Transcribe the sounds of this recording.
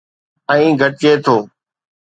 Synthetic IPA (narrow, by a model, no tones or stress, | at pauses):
ɛ̃ĩːɡʱəʈ̚t͡ʃeːt̪ʰoː